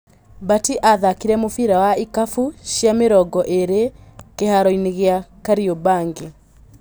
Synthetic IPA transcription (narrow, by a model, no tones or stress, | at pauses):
batiʔaðakiɾɛmofiɾawaikafuɕjameɾɔɡɔʔeɾekehaɾɔineɣeakaɾiobaːŋɡe